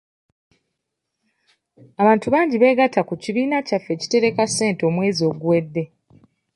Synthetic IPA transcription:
aβaːntuβaːɲɟiβe̞ɡatakuciβiːnacafːe̞ːci̥te̞ɾe̞kase̞ːnto̞mwe̞ːzio̞ɡuwe̞dːe̞

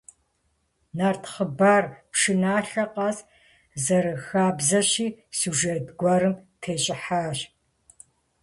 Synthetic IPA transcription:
naːrtʰχəbaːrpʂɨnaːɬɐqɑz | zɐɾɨxaːbzɐɕiːsuʒetɡʷɐɾɨmtʰeːt͡ʃʼɪħaːɕ

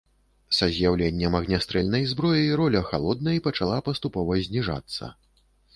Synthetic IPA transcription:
sɐzʲjawlʲenʲːɐmɐɣnʲast̪ɾɛlʲnɐjzbɾɔjɐjɾɔlʲɐxa̰lˠɔd̪̚nɐipɐt͡ʂalˠapɐst̪upɔvɐzʲnʲiʐa̰t̪sːɐ̰

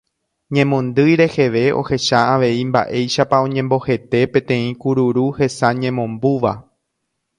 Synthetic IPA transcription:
ɲẽ̞mõ̞nd̪ɨjɾe̞he̞ʋe̞ʔo̞̰he̞ʃaaʋe̞imba̰ʔe̞jʃapaõ̞ɲẽmbo̞he̞t̪e̞pẽ̞t̪ẽ̞ĩkuɾuɾuhe̞saɲẽmõ̞mbuʋa̰

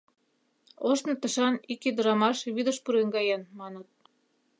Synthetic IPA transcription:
oʃnɤ̆t̪ə̆ʃɑnikid̪ə̆ɾɑmɑʃβid̪ə̆ʃpuɾeŋɡɑjɑnmɑnə̆t̪̚

